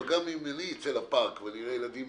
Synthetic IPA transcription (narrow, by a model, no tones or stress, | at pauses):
ɡamimaniit͡selapaʁkveniʁejelad̪im